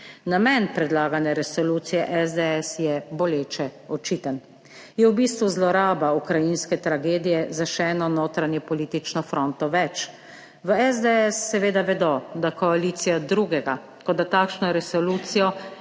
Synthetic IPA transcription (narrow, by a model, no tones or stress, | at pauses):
namɛnpɾɛd̪laːɡanɛɾɛsɔluːt̪sijɛʔɛzd̪ɛɛsjɛbɔleːt͡ʃɛɔt͡ʃit̪ən | jɛwbiːst̪ʋuzlɔɾaːbaukɾajinskɛt̪ɾaɡeːd̪ijɛzaʃɛɛnɔnoːt̪ɾanjɛpɔlit̪it͡ʃnɔfɾont̪ɔʋɛt͡ʃ | ʋəɛzd̪ɛɛsːɛʋeːd̪aʋɛd̪ɔd̪akɔaliːt̪sijad̪ɾuːɡɛɡa | kɔd̪at̪aːkʃnɔɛɾɛsɔluːt̪sijɔ